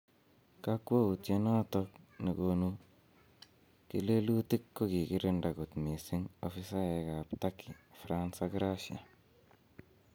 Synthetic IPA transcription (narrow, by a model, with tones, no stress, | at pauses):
ka˦kwo˦u˨tje˦nɔ˦tɔ˦kni˨ko˨nu˦ | kḭ˦le˦lu˦ti˦kːo˦ki˨kɪ˦ɾɪ˦nda˨ku˨tmi˨sɪ˦ŋofi˦sa˦ɛ˨ka˨ptakʰi˨fɾansa˦kɾa˦ʃia̰˨